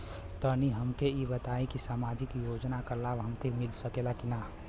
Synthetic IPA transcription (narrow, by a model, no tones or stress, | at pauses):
st̪ʰəniɦɐmkeibət̪aːĩkisaːmaːd͡ʒɪkjoːd͡ʒnakalaːbɦəmt̪ʰimɪlsəkelakina